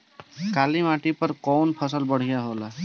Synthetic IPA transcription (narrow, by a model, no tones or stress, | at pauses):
kaːlimaːʈipəɾkɔːnpʰəsəlbəɽ̤ijaɦolaː